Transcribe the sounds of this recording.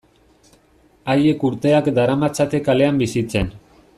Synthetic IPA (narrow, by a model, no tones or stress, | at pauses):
ajekuɾt̪eakd̪aɾamat͡sʰat̪ekaleambisit͡ɕʰen